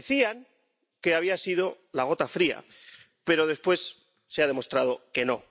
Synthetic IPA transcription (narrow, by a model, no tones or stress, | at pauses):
θiaŋ | ke̞aβiasið̞o̞ | laɣ̞o̞t̪afɾia̰ | pe̞ɾo̞ð̞e̞spwe̞sː | eað̞e̞mo̞st̪ɾað̞o̞ke̞no̞̰